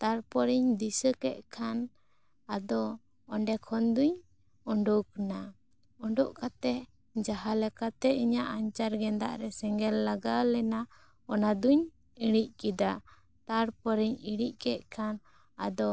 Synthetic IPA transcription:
t̪aɾpɔɾiɲd̪isəkɛʔ̪̚kʰan | ad̪ɔ | ɔɳɖɛkʰɔnd̪uɲ | ɔɳɖukna | ɔɳɖɔʔkat̪ɛ | d͡ʒaɦalɛkat̪ɛiɲaʔaɲt͡ʃaɾɡɛnd̪a̰ʔɾɛsɛŋɡɛlːaɡalɛna | ɔnad̪uɲ | iɽ̃ic̚kid̪a | t̪aɾpɔɾiɲiɽ̃ic̚kɛʔ̪̚kʰan | a̰d̪ɔ

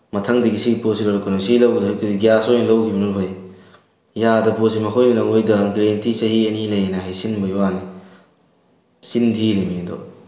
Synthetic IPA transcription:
mɐtʰɐŋdɐɡisiɡiposilowɾɐkːonosilɐwɡdɦajtʰudiɡijasojnlɐwkʰibɐnuɾbʰɐj | jadɐpos̬imɐkʰojminɐŋojdɐɡɾentit͡ʃɐɦiɐnilɐjejnɐɦajsinbɐjwane | sindʰiɾemiɐdo̰

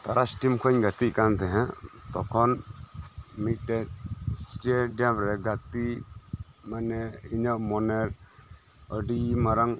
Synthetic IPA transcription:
t̪aɾasʈimkʰəɲɡat̪ikant̪ʰɛɦɛ̃t̪ɔkʰɔn | miʈɛsʈeɖijamɾɛɡat̪i | manɛiɲəʔmɔnɛɾ | əɖimaɾaŋ

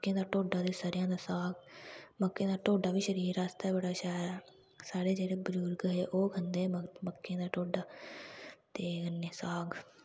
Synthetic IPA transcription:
kːẽːd̪aːʈoːɖaːd̪eːsəɾɪjãːd̪aːsaːɡməkːẽːd̪aːʈoːɖaːʋiːʃəɾiːɾaːst̪aːɛbəɽaːʃaːɾaː | saːɽeːd͡ʒeːɽeːbəd͡ʒuːlɡəɦeːʔoːkənd̪eːməkːẽːd̪aːʈoːɖaː | t̪eːənːeːsaːɡ

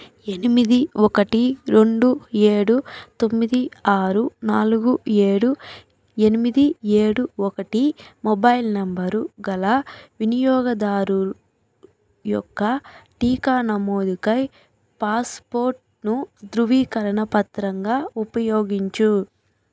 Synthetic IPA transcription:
e̞nimid̪iɔkɐʈiɾe̞ɳɖue̞ːɽut̪o̞mːid̪iaːɾunaːluɡue̞ːɽu | e̞nimid̪ie̞ːɽuɔkɐʈimɔbɐjlnɐmbɐɾuɡɐlɐʋinijɔːɡɐd̪aːɾu | jɔ̰kːɐʈiːkaːnɐmoːd̪ikɐj | paːspoːɾʈ̚ | nud̪ɾuʋiːkɐɾɐɳɐpɐt̪ɾɐŋɡaːupɐjoːɡiɲt͡ʃu

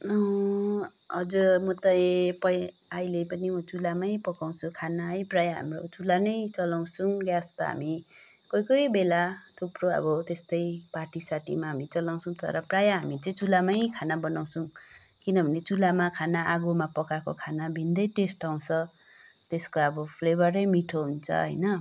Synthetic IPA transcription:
ʌ | ɦʌd͡zuɾmʌt̪ʌepʌj | ajlepʌnimʌt͡sulamajpʌkaw̃t͡sʰukʰanajprajaɦa̰mro̰t͡sulanʌjt͡sʌlaw̃suɡjast̪ʌɦa̰mi | kʌjkʌjbelat̪ʰuproʌ̰bʌt̪est̪ʌjpaʈisaʈḭmaɦamit͡sʌlaw̃sʰũt̪ʌ̰ɾʌprajaɦamit͡sʌ̃ĩt͡sulamajkʰanabʌnaw̃sũ | kinʌbʱʌnet͡sulamakʰanaʔaɡomapʌkakokʰanabʱind̪ʌjʈesʈaw̃t͡sʰʌ | t̪eskoʌbʌpʰlebʌɾʌjmiʈʰoɦunt͡sʰʌ̰ɦʌ̰jnʌ

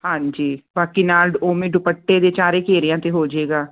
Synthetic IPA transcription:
hãːɲd͡ʒiːbaːkiːnaːlɖoːmẽːɖʊpəʈːeːd̪eːt͡ʃaːɾeːkeːɾɪjãːt̪eːɦoːd͡ʒeːɡaː

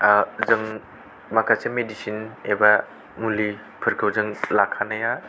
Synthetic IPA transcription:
zɯŋ | makʰasemedisineba | muli | pʰɯɾkʰɯwzɯŋlakʰanɐja

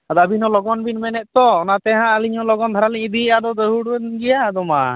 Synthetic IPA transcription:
ad̪abinhɔlɔɡɔnbinmɛnɛt̪̚t̪ɔnat̪ɛɦãəliɲhɔlɔɡɔnd̪ʰʱaɾaliɲd̪iad̪ɔd̪əɦuɽɛɡɛjad̪ɔma

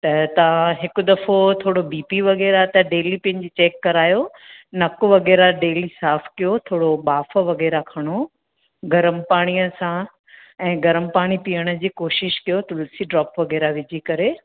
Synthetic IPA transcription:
t̪ɐt̪ɐʋãɦɪkʊ̆d̪ɐfot̪ʰoːɽobiːpiʋɐɣɛːɾat̪ɐɖeːlipɐ̃nɪ̆d͡ʑit͡ɕeːkːɐɾaːjo | nɐkʊʋɐɣɛːɾaɖeːlisaːfkijot̪ʰoːɽobaːfə̆ʋɐɣɛːɾakʰɐɽ̃o | ɡɐɾəmpaːɽ̃ijəsã | ɛ̃ːɡɐɾəmpaːɽ̃ipijəɽ̃ə̆d͡ʑiːkoːʃɪʃkijot̪ʊlsiɖɾɔːpʋɐɣɛːɾaʋɪd͡ʑʱikɐɾe

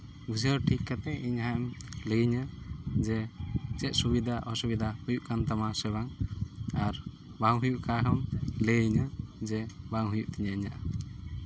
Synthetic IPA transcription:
ɡud͡ʒəɾʈʰikːat̪ɛʔiɲɦaɛmləiɲəd͡ʒɛt͡ʃɛt̪̚subid̪aʔɔsubid̪ahujuʔkant̪amasɛβaŋaɾ | baŋɦujuʔkaɦɔmləɲəd͡ʒɛbaŋɦujuʔt̪iɲaiɲaʔa

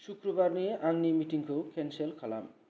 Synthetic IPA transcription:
sukɾɔbaɾnieʔaŋnimitiŋkʰokʰenselkʰala̰m

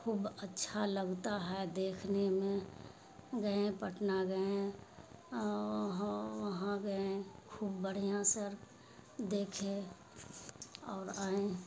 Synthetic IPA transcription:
kʰuːbətːʃʰaləɡt̪aɦɛd̪eːkʰnemẽ | ɡəẽpəʈʰnaɡəẽ | ɦʋəɦãɡəẽkʰuːbːəɽ̤ijãsəɾ | d̪eːkʰẽ | ɔːɾaːẽ

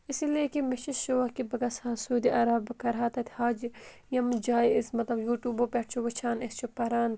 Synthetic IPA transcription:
ɪsilekimɐʃiʃoːɐkibɐɡɐsaːsuːd̪iʔɐɾabkɐɾɦaːt̪ɐt̪ʰhaːd͡ʒ | jɐmd͡ʒaːiɪsmɐt̪lɐbjuːʈjuːbopeʈ̚ʰt͡ʃʰoʋɐt͡ʃʰaːnest͡ʃʰopɐɾaːn

